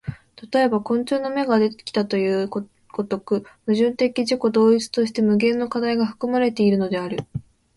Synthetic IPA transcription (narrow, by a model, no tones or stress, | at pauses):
t̪at̪o̞e̞bakõ̞nt͡ɕɨːnome̞ɡad̪e̞t̪e̥kʲi̥t̪at̪o̞jɯ̟ː | ɡ̥o̞t̪o̞kɯ̟mɯ̟ʑɨ̃nt̪e̞kʲiʑiko̞d̪o̞ːit͡sɨ̥t̪o̞ɕi̥t̪e̞mɯ̟ɡẽ̞nːo̞kad̪aiɡaɸɯ̟̥kɯ̟maɾe̞t̪e̞iɾɯ̟no̞d̪e̞aɾɯ̟